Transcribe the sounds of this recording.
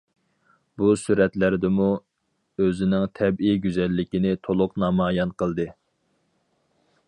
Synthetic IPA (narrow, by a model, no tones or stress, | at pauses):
busyɾɛt̪læɾd̪ɪmu | øzɪnɪŋt̪ʰɛbiɡʲyzɛlːɪkʲinɪt̪ʰolˠʊqnɑmɑːjɑnqʰəlˠd̪ɨ